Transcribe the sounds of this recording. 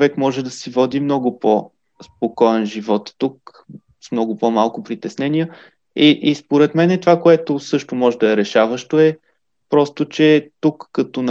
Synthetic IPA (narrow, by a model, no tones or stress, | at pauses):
vɛkmɔʒɛd̪ɐsivɔd̪imnɔɡʊpo | spokɔɛnʒivɔt̪ːuk | smnɔɡʊpomalˠkʊpɾit̪ɛsnɛnijə | iʔispoɾɛt̪mɛnɛt̪ovakoɛt̪osɤʃt̪omɔʒɛd̪ɐɛɾɛʃavəʃt̪oɛ | pɾɔst̪ot͡ʃɛt̪ukːɐt̪on